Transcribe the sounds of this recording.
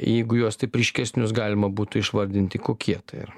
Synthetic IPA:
jɛɪɡʊjuɔst̪ɐɪpɾʲiːʃʲkʲɛsʲnʲʊsɡɑːlʲɪmɐbuːt̪ʊɪʃʋɐɾʲd̪ʲɪnʲt̪ʲɪkoːkʲiɛt̪ɐɪɪ̰ɾ

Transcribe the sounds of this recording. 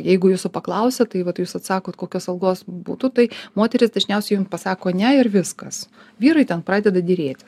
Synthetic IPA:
jɛɪɡʊjuːsʊpɐklˠɐʊsʲɛtt̪ɐɪʋɐt̪juːsɐt̪sɑːkoːt̪koːkʲoːsɐlˠɡoːsbṵːt̪ʊt̪ɐɪmoːt̪ʲɛɾʲɪsd̪ɐʒʲnʲɛʊsʲɛɪjʊmpɐsɑːkoːnʲɛɪɾʋʲɪskɐs | ʋʲiːɾɐɪt̪ʲɛnpɾɑːd̪ʲɛd̪ɐd̪ʲɪɾʲeːt̪ʲ

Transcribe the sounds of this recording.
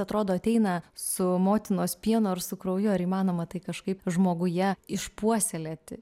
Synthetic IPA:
ɐt̪ɾoːd̪oːɐt̪ʲɛɪnɐsʊmoːt̪ʲɪnoːspʲiɛnʊɐɾsʊkɾɐʊjʊɐɾiːmɑːnoːmɐt̪ɐɪkɐʃkɐɪpʒmoːɡʊjɛɪʃpuɔsʲɛlʲet̪ʲɪ

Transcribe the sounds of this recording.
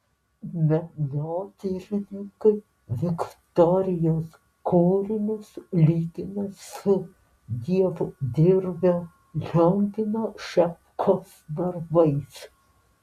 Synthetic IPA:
mʲɛnoːt̪ʲɪɾʲɪnʲɪŋkɐɪ | ʋʲɪkt̪ɔɾʲɪjoːs | kʰuːɾʲɪnʲɪslʲiːɡʲɪnɐssʊ | d̪ʲiɛʋʊd̪ʲɪɾbʲɛ | lʲɔŋʲɡʲɪnoːʃʲɛpkʰoːsd̪ɐɾbɐɪs

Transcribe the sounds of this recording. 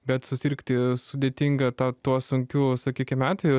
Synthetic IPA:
bʲɛt̪sʊsʲɪɾkt̪ʲɪsʊd̪ʲeːt̪ʲiŋɡɐt̪ɑːt̪uɔsʊŋʲkʲuːsɐkʲiːkʲɪmʲæːt̪ʲʋʲeɛjʊ

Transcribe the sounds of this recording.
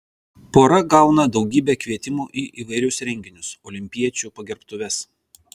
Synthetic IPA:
poːɾɐɡɑˑʊnɐd̪ɒʊɡʲiːbʲeːkʋʲiɛt̪ʲɪmuːʔiːʔiʋɐɪɾʲʊsɾʲɛŋʲɡʲɪnʲʊsɔːlʲɪmʲpʲiɛt͡ʃʲuˑpɐɡʲɛɾpt̪ʊʋʲɛs

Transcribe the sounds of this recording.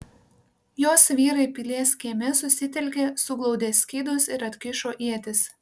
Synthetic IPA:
joːsʋʲiːɾɐɪpʲɪlʲeːskʲiɛmʲɛsʊsʲɪt̪ʲɛlʲkʲesʊɡlˠɒʊd̪ʲeːsʲkʲiːd̪osɪɾɐt̪ʲkʲɪʃoːʔiɛt̪ʲɪs

